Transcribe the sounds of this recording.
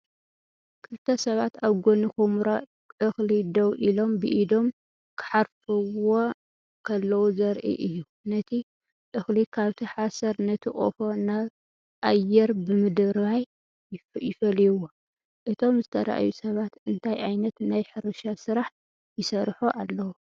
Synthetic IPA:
kʰɨlt̪ʰɐsɐβat̪aβɡonixumɾa | ʔɨxlid̪ɐwʔilo̞mbɨʔid̪o̞m | kʰɨ̥ħaɾfɨwo | kʰɐlːɐwuzɐɾʔḭʔɨjːu | nɐt̪ʰi | ʔɨxlikʰaβt̪ʰiħasɐɾnɐt̪ʰikʼo̰fonaβ | ʔajːɛɾbɨmɨd̪ɨɾβaj | jɪfɐlijuwo | ʔɨt̪ʰo̞mzɨt̪ʰɐɾa̰ʔa̰jusɐβat̪ɨnt̪ʰajʔajnɐt̪najħɨɾɐʃasɨɾaħ | jɪsɐɾħoʔalːɐwo

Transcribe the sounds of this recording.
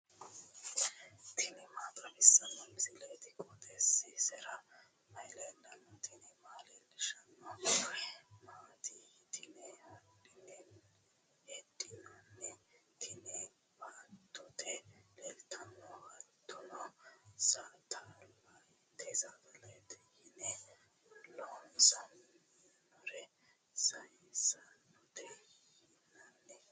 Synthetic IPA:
t̪ʰɪnɛmaːt̪ʼɐmɪsːɐnːɔmɪsɪlet̪ɪkʼɔt̪ʼɛsːɪsɛɾɐ | mɐjlɛlɐnːɔt̪ʰɪnɛmaːlɛlɪʃɐnːɔ | maːt̪ʰit̪ʰɪnɛɔdɪnɛn | ɛdɪnɐnːɛt̪ʰɪnɛ | baːt̪ʰːɔt̪ʰɛlɛlt̪ʰɐnːɔhɐt̪ʰːɔnɔsat̪ʰalaj | t̪ʰɛzad̪ɐlɛt̪ɛjɪnɛ | bɔlːɔsɐm | nɔɾɛ | sɐjsɐnɔt̪ɛ | ɪnɐnːɛ

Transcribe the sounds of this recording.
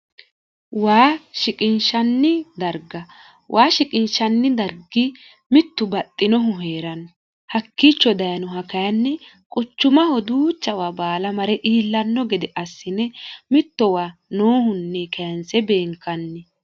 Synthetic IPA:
waːʃɪkʼɪnʃɐnːɪd̪ɐɾɡɐ | wʔaːʃɪkʼɪnʃɐnːɪd̪ɐɾɡɪ | mɪt̪ːʊbɐt̪ʼːɪnɔɦʊɦeːɾɐn | hɐkːit͡ʃːɔd̪ɐjɐnɔɦɐkɐjɐnːɛ | kʼʊt͡ʃːʊmɐhɔd̪uːt͡ʃːɐwabaːlɐmɐɾɛʔiːlːɐnːɔɡɛd̪ɛʔɐsːɪnɛmɪt̪ːɔwaːnoːhʊnːɛkʰɐjɐnsɛbe̞ːŋkːɐnːɛ

